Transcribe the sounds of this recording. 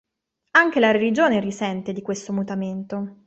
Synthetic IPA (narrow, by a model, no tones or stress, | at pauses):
aŋk̟elaɾelid͡ʒoːnerisɛnt̪ed̪ikwest̪omut̪ament̪o